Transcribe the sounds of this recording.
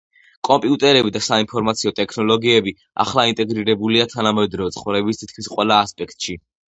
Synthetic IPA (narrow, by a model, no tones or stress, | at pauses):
kʼɔmpʼiut̪ʼɛɾɛbid̪asainpʰɔɾmat̪sʰiɔt̪ʼɛkʰnɔlˠɔɡiɛbi | a̰χlˠaint̪ʼɛɡɾiɾɛbuliat̪ʰanamɛd̪ɾɔɔt̪sʰχvɾɛbist̪ʰit̪̚kʰmisqʼwɛlˠaːspʼɛkʰt̪ʼʃi